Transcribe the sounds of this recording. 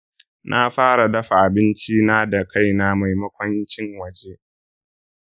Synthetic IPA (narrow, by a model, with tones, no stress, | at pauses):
nʔa˦ɸaː˦ɽa˨dɐ˦ɸa˨ʔa˨bɪ˦nt͡ʃi˦naː˦da˨ka˦jna˦ma˨jmɐ˦kʷɔ˦nt͡ʃɪ˦ŋwɐ˨d͡ʒe˦ʔ